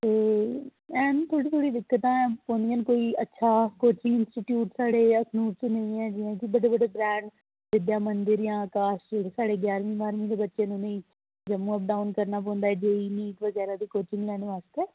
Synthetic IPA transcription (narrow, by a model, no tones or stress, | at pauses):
t̪eː | ɛːnːt̪ʰoːɽiːt̪ʰoːɽiːd̪ɪkːət̪ãːɛ̃ːpõːnd̪iə̃nkoːiːətːʃʰaːkoːt͡ʃɪ̃ŋɡɪnsʈiʈjuːʈsaːɽeːəkʰnuːʈt͡ʃenəĩːɛ̃ːd͡ʒɪːãːkibəɽeːbəɽeːbɾɛ̃ːɳɖ | ʋɪd̪jaːmənd̪əɾjãːkaːʃeɽsaːɽeːɡɛːɾʋĩːbaːɾmĩːd̪eːbətːʃẽːnũːnəĩː | d͡ʒəmːũːəp̚ɖaːʊnkəɾnaːp̬ɔ̃ːnd̪aːɛːd͡ʒeːiːniːkʋəɡɛːɾaːd̪iːkoːt͡ʃɪ̃ŋɡlɛːnʋaːst̪eː